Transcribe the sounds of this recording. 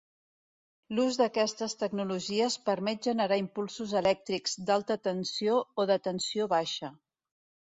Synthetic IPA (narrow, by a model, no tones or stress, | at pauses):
luzðəkɛst̪əst̪əɡnuluʒiəspəɾmɛt̪̚ʒənəɾaimpulˠsuzəlɛk̚t̪ɾikz̥d̪alˠt̪ət̪ənsiooðət̪ənsioβaʃə